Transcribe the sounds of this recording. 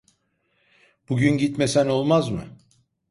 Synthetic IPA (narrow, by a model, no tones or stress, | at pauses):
b̥uɡɟynɟit̪me̞sænolˠmazmɯ̰